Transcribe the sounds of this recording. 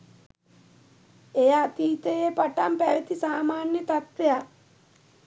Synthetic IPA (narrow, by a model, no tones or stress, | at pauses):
ejat̪iːt̪ejepaʈampæʋet̪isaːmaːnjət̪at̪ʋeja